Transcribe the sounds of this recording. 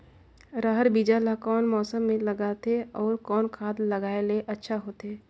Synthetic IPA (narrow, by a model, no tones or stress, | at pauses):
ɾəɦəɾbid͡ʒalakɔːnmɔːsəmːẽlɐɡaːt̪eɔːɾkɔːnkʰaːd̪lɐɡaːeleʔɐtːʃʰaɦoːt̪ɦeː